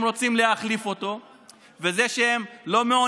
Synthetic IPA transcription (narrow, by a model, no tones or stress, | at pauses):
mʁo̞t͡simleaχlifo̞t̪o̞ | ve̞ze̞ʃehemlo̞meo